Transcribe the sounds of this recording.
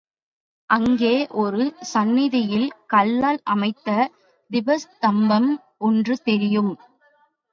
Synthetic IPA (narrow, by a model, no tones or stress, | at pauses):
ʔɐŋɡeːʔɔɾɯsɐnːɪðɐjɪlkɐlːaːlʔɐmɐɪt̪ːɐ | d̪ɪʋɐst̪ɐmbɐm | ɔndrɯt̪ɛɾɪjɯm